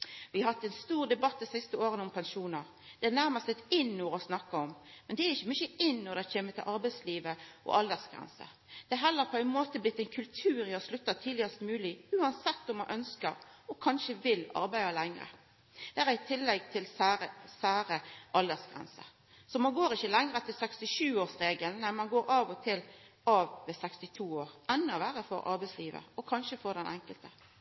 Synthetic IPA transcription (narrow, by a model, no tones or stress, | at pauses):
ʋɪɑhɑt̪ːɛnst̪uːʁd̪ɛbɑt̪ːɪsɪst̪əoːɾənɔmpʰɛnʃuːnəɾ | d̪̥ɛænæɾmɑst̪ət̪ɪnːuːɾɔsnɑkːɑɔmmɛnd̪ɛæɾɪçːəmʏçəɪnːɔɾd̪ɛçeːmət̪ʰɪlʔɑɾbæɪsliːʋəʔɔ̰ʔɑld̪əsɡ̥ɾɛ̰nsə̰ | d̪̥ɛæɦɛlːəɾpʰɔæɪnmoːt̪əblɪt̪ːɛɪnkʰʉlt̪ʰʉːɾjɪhɑslʉt̪ːɑt̪ʰiːd̪ɪəst̪mʉːlɪʉːɑnsɛt̪ːɔmɑnʔœnskəɾɔkʰɑnʃəʋɪlɑ̰ɾbæɪɑlæŋɾə̰ | d̪̥ɛæːɾæɪt̪ʰɪlːɛɡ̚t̪ʰɪlsæʁəsæːɾəʔɑld̪əsɡ̥ʁɛ̰nsə̰ | sɔmɑnɡoːɾɪçəlɛŋɾət̪ʰɪlsɛkst̪ɪʃʉːoːʁsʁeːɡəlnæɪmɑnɡoːɾɑːʋɔt̪ʰɪl | ɑʋmɛsɛkst̪ɪt̪ʰuːoːɾɛnːəɔʋæːʁəfɔ̰ɾʔɑ̰ɾbæɪsliːʋə̰ɔkʰɑnʃəfɔʁd̪ɛnʔɛ̰ŋkəlt̪ə